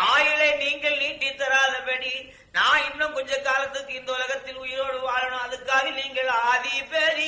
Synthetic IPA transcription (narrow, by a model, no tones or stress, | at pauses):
aːjɪleːniːŋɡɐɭniːʈːit̪ːɐɾaːðɐpɐɽi | nãːɪnːɐ̃mkɔɲd͡ʒɐkaːlɐt̪ːɯkːɯɪnd̪ɐʊlɐɣɐt̪ːɪlʊjɪɾoːɽɯʋaːlɐɳʊ̃ɐðɯkːaːɣɐniːŋɡɐɭɐðɪpeːɾi